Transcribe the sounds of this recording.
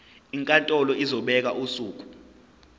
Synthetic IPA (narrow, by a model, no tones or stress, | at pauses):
iŋkʼantʼɔlɔizɔɓɛk̬aʔusuːk̬ʼu̥